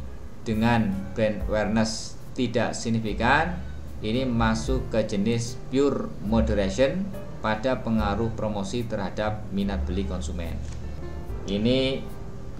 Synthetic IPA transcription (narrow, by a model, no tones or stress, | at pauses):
d̥əŋanb̥ɛnwɛrnəs | t̪id̥a̰ʔsiɡ̚nifikan | ʔinimasʊkːəd͡ʒənɪs | pjʊrmodəɾaʃən | paɖ̥a̤pəŋaɾʊhpɾomosit̪ərɦad̥ap̚minat̪̚b̥əlikɔnsumɛ̰n | ʔini